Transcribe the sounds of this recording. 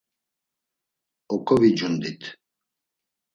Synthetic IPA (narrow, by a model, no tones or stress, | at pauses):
ɔkʰɔvid͡ʒund̪it̪ʰ